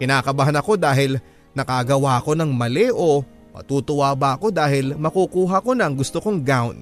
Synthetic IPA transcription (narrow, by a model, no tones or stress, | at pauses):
kɪnaːkɐbaɦanɐko̞d̪aːɦɪl | nɐkaɡɐwaʔɐko̞nɐŋmɐlɛʔo̞ | mɐ̰t̪uːt̪ʊwabɐʔɐko̞d̪aːhɪlmɐkukuːɦɐko̞nɐŋɡʊst̪oko̞ŋɡawn